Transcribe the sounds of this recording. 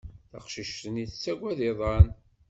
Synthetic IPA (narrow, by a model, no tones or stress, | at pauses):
θɑ̰qʃiʃt̪əniθt͡sːæɡʷæðiðˤɑn